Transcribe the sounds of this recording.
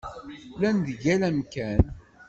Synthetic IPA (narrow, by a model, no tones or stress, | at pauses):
lænd̪əʝælæmkæn